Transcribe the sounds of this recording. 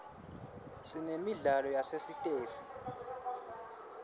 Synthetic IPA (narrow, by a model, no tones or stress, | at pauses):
sinemiɮalɔjasesitʼeːsi̥